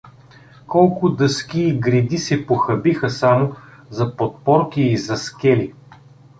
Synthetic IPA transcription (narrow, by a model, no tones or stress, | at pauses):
kɔlˠkʊd̪ɤskʲiːɡɾid̪isɛpoxɐbixəsamʊ | zɐpot̪̚pɔɾkiːzɐskʲɛli